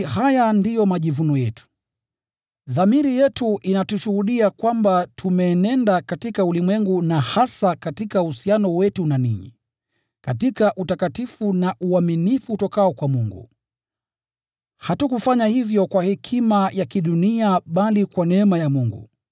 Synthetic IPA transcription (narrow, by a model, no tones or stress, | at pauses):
hajandijɔmaʄivunɔjɛtu̥ | ðamiɾijɛtuʔinatuʃuhuɗiakwambatʰumɛːnɛndakatikaulimwɛŋɡunahasakatikauhusianɔwɛtunanḭɲḭ | katikaʔutakatifunaʔuaminifuːtɔkaɔkwamuŋɡṵ | hatukufaɲahivjɔkwahɛkʰimajakiɗuniaɓalikwanɛɛmajamuŋɡṵ